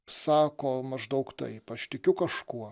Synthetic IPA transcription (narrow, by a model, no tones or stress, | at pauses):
sɑːkoːmɐʒd̪ɐʊkt̪ɐ̰ɪpɐʃt̪ʲɪkʲʊkɐʃkuɔ